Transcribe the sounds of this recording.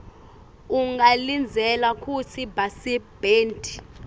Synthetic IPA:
uŋɡalind͡zʱɛlakʰʼut͡sʰibasib̥eːntʼi̥

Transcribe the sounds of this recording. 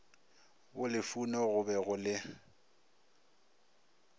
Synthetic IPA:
wʊlɪfunɔɣʊbɛɣʊlɪ

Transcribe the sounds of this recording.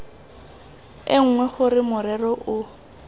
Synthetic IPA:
ɪŋ̩ŋwɛχʊrɪmʊɾɛrɔʔʊ

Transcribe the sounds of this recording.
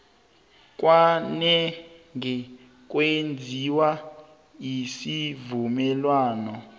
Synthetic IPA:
k̬ʼwanɛŋɛ | k̬ʼwend͡zʱiwa | jisivumɛlwaːnɔ

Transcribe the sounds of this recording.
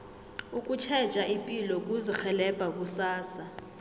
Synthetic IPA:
uk̬ʼut͡ʃʰɛ̥t͡ʃʼaʔimpʼilɔk̬ʼuzixɛlɛb̥ʱak̬ʼusaːsa

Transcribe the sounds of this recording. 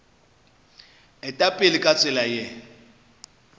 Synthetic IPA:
ɪtʼapʼɪlɪkʼat͡sʼɪlaje

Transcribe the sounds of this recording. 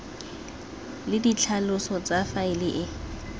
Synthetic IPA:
lɪdit͡ɬʰalʊsɔt͡safaɪlɪʔɪ

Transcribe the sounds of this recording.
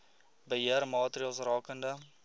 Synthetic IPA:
bəɦiərmɑːtəriɑːlˠsrɑːkəndə

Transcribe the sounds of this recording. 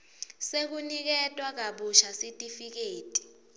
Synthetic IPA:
sek̬unik̬ɛtʼwak̬aɓuʃasitʼifik̬eːtʼi̥

